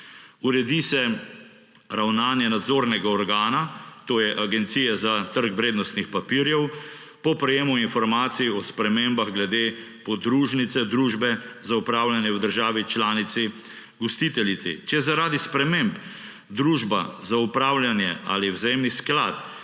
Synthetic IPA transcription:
uɾɛd̪isɛ | ɾawnaːnjɛnad̪zoːɾnɛɡaɔɾɡaːnat̪oːjɛʔaɡɛnt̪siːjɛzat̪əɾkʋɾeːd̪nɔst̪nixpapiːɾjɛw | pɔpɾɛjeːmuinfɔɾmaːt̪siiɔspɾɛmeːmbaɣɡlɛd̪eː | pɔd̪ɾuːʒnit̪sɛd̪ɾuːʒbɛzaupɾaːwljanjɛwd̪əɾʒaːʋit͡ʃlaːnit̪sɛ | ɡɔst̪it̪ɛlit̪sɛ̰t͡ʃɛjɛzaɾaːd̪ispɾɛmemb | d̪ɾuːʒbazaupɾaːwljanjɛa̰liwzajeːmniskla̰ːt̪

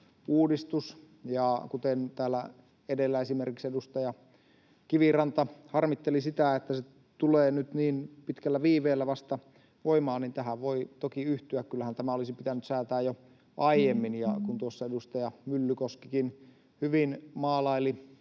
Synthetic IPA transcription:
uːdist̪us | jɑkut̪ent̪æːlːæ | edelːæesimerkiksedust̪ɑjɑ | kiʋirɑnt̪ɑhɑrmit̪ːelisit̪æet̪ːæse | t̪uleːnyt̪niːnpit̪kælːæʋiːʋeːlːæʋɑst̪ɑ | ʋoimɑːnint̪æhæʋʋoit̪okiyht̪yækkylːæhænt̪æmæolisipit̪ænyt̪sæːt̪æːjjo | ʔɑijemːinjɑ̰kunt̪uosːɑedust̪ɑjɑmylːykoskikin | hyʋinmɑːlɑili

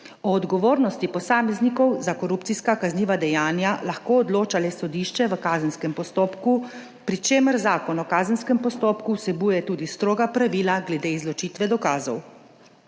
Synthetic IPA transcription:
ɔːd̪ɡɔʋoːɾnɔst̪ipɔsaːmɛznikɔwzakɔɾupt̪siskakazniːʋad̪ɛjaːnjalaxkoːɔd̪loːt͡ʃalɛsɔd̪iːʃt͡ʃɛʋəkaːzənskɛmpɔst̪oːpku | pɾit͡ʃeːməɾzaːkɔnɔkaːzənskɛmpɔst̪oːpkuwsɛbujɛt̪uːd̪ist̪ɾoːɡapɾaʋiːlaɡlɛd̪eizlɔt͡ʃiːt̪ʋɛd̪ɔkaːzɔw

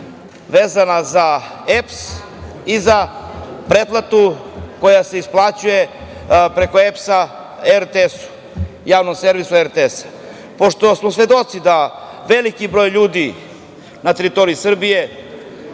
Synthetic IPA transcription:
ʋeːzanaza | eps | izapɾep̪lˠat̪uko̞jase̞isplˠat͡ɕuje | pɾe̞ko̞epsa | eɾt̪esu̥ | jaːʋnomse̞ɾʋisueɾt̪esḁ | po̞ʃt̪o̞smosʋe̞d̪o̞t̪sid̪a | ʋelikibɾojʎuːd̪i | nat̪eɾit̪o̞ɾiisr̩bije̞

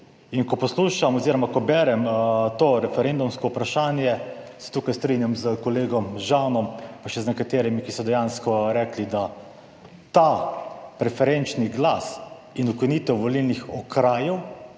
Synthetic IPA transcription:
inkɔpɔsluːʃamɔziːɾɔmakɔbɛɾɛmt̪oːɾɛfɛɾend̪umskɔupɾaʃaːnjɛsɛ̥t̪uːkajst̪ɾinjamzəkɔleːɡɔmʒawnɔmpaʃɛznɛkat̪eːɾimikisɔd̪ɛjaːnskɔɾɛːklid̪a | t̪apɾɛfɛɾɛnt͡ʃniɡlas | inukinit̪ɛwʋɔlilnixɔkɾaːjɛw

